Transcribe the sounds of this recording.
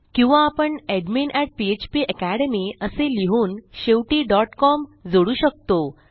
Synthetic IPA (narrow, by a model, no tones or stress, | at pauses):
kĩw̃ʋãːpəɳeɖminʔæʈ̚piet͡ɕpiʔəkæɽemiəseliɦuːnɕeʋʈiːɖɔʈkɔmd͡zoɽuːɕək̚t̪o